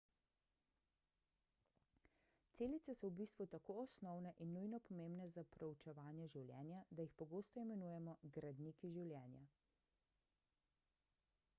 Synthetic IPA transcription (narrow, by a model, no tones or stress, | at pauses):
t̪seːlit̪sɛsɔwbiːst̪ʋut̪akoːɔsnɔwnɛʔinːujnɔpɔmeːmbnɛzapɾɛut͡ʃɛʋaːnjɛʒiwlʲjɛ̰ːnjad̪ajixpɔɡoːst̪ɔimɛnuːjɛmɔɡɾad̪nikiʒiwlʲjɛːnja̰